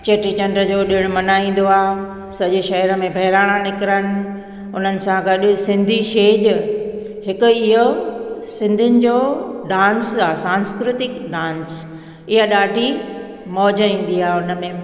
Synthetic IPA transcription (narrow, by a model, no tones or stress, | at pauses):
t͡ɕɐʈit͡ɕɐ̃ɳɖɾəd͡ʑoːɗɪɽ̃mɐnaːĩːn̆d̪oaː | sɐʄeʃɐɦəɾəmẽbʱɐɦɪɾaːɽ̃anɪkɪɾənɪ̆ | ʊn̤ənɪ̆sãɡɐɗɪsɪ̃nd̪ʱiʃeːd͡ʑ | ɦɪkʊ̆ɪɦosɪ̃nd̪ʱʊnɪ̆d͡ʑoːɖãːnsaːsãːnskɾɪt̪ɪkɖãːns | ɪɦaɗaːɖʱi | mɔːd͡ʑəĩːn̆d̪iaːʊnə̆mẽ